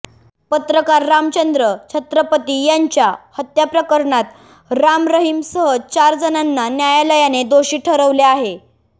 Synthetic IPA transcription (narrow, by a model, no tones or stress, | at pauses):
pət̪ɾəkaɾːamt͡ɕənd̪ɾət͡ɕʰət̪ɾəpət̪iːjaɲt͡ɕjahət̪japɾəkəɾɳat̪ | ɾamɾəɦimsəɦət͡ɕaɾd͡zənanːanjajaləjaned̪oɕiːʈʰəɾəʋleaɦe